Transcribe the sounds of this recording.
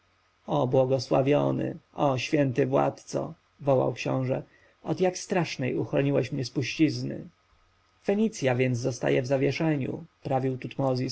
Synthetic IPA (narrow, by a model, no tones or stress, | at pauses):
ɔbwɔɡɔswa̰vʲjɔnɘ̰ʔɔɕfʲjɛnt̪ɘvwa̰t̪t̪sɔ̰ | vɔwa̰wkɕɔ̰̃w̃ʐɛ | ɔd̪jakst̪ɾaʂnɛjuxɾɔɲiwɛɕmɲɛspuɕt͡ɕiznɘ̰ | fɛɲit̪sʲjavʲjɛnd̪zːɔst̪a̰jɛvzavʲjɛʂɛɲṵpɾavʲiwt̪ut̪mɔzʲis